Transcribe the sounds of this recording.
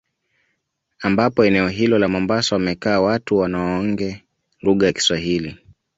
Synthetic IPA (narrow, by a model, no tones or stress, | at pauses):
ambapɔɛnɛɔɦilɔlamɔmbasawamɛkaːwatuwanaɔɔŋɡɛ | luɠajaki̥swaɦili